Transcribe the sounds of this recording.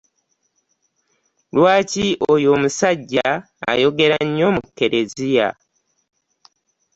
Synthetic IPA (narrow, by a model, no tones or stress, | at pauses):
lwaːciʔojo̞ːmusaɟːa | a̰jo̞ɡe̞ɾaɲːo̞mukːe̞ɾʔe̞zija̰